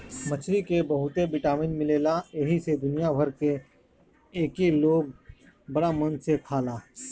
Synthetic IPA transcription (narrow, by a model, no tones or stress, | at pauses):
mɐt͡ʃʰɾikebɐɦʊt̪ebɪʈaːmɪnmɪleːlaeɦised̪ʊnijabʱɐɾke | eːkiloːɡ̚ | bɐɽamənsekʰaːlaː